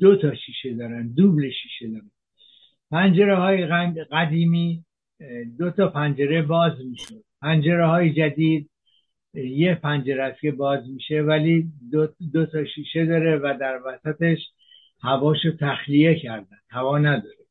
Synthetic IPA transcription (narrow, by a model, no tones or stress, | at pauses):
d̪̥ot̪ʰɒːʃiːʃe̞d̪ɒːɾænd̪d̪uːbleʃiːʃe̞d̪ɒːɾæn | pʰænd͡ʒe̞ɾehɒːjeɢæd̪iːmiː | d̪ot̪ʰɒpʰænd͡ʒe̞ɾe̞bɒːzmiːʃo̞d̪̥̚pʰænd͡ʒe̞ɾehɒːjed͡ʒæd̪iːd̪̚ | jepʰænd͡ʒeɾææst̪ke̞bɒːzmiːʃevæli | d̪ot̪ʰɒːʃiːʃe̞d̪ɒːɾevæd̪æɾvæsæt̪e̞ʃ | hævɒːʃot̪ʰæxlije̞cʰæɾd̪ænd̪̥hævɒːnæd̪ɒːɾe